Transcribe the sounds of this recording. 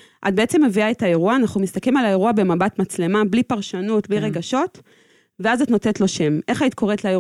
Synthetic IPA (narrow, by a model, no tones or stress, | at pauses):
ʔat̚beet͡se̞mːeviaetae̞ʁuaːnaχnumist̪aklimalae̞ʁuabe̞mabatmat͡sle̞mablipaʁʃanutbliʁe̞ɡaʃo̞t | veazatnotetlo̞ʃe̞mʔe̞χaitkʰo̞etlae